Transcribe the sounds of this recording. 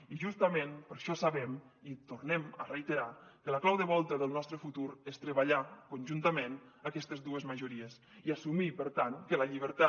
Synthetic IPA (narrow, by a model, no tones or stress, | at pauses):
iʒust̪əmenpəɾʃɔsaβɛm | it̪urnɛmərejt̪eɾakələklawðəβɔlˠt̪əðəlˠnɔst̪ɾəfut̪uɾest̪ɾəβaʎakunʲʒunt̪əmenəkɛst̪əzd̪uəzməʒuɾiəs | iasumipəɾt̪aŋkələʎiβəɾt̪a